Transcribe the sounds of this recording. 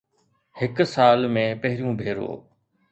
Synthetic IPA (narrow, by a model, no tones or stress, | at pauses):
hɪksaːlmẽːpɐɦɪɾijũːbʱeːɾo̰ː